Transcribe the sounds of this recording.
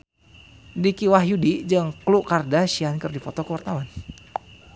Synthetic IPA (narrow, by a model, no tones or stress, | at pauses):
dikiwaɦjudid͡ʒɨŋkluʔkardaʃiankɨrdifɔt̪ɔkəwart̪awan